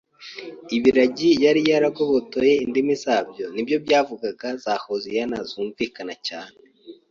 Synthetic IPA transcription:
iβiɾaɟijaɾijaɾaɡoβotojeindimizaːbjo̞nibjo̞bjaːvuɡaɡazaːhozijanaz̥uːɱvikanacaːne

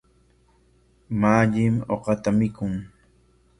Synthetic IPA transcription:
maːʎɪmoqɑt̪amɪkʊŋ

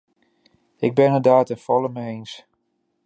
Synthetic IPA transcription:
ɪɡ̚bɪnədaːtəfɔləməejns

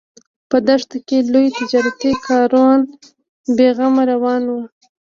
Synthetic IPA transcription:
pəd̪aʂt̪akelojt̪ɪd͡ʒɑɾat̪ikʰɑɾɑn | beɣamaɾawɑnwə

